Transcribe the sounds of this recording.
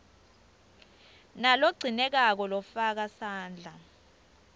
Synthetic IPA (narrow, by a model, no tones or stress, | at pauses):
naloɡ͡ǀʱinɛk̬ak̬ɔlɔfak̬asaːnd͡ɮʱa